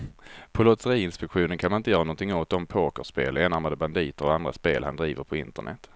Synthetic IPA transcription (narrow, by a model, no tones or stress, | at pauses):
pʰɔlɔt̪səɾiːɪnspɛkɧuːnənkʰanmanɪnt̪əjœːɾanɔnt̪ʰɪŋːot̪ɔmpʰoːkəʂpeːleːnaɾmad̪əband̪iːt̪əɾɔand̪ɾa̰speːlhand̪ɾiːvəɾpʰɔɪnt̪ə̰ɳʔɛ̰t̪ː